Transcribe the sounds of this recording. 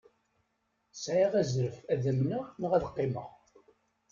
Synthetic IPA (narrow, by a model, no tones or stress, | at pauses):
sʕiʁæzɾəfæðəmnənəʁæðəqːɪmə̰ʁ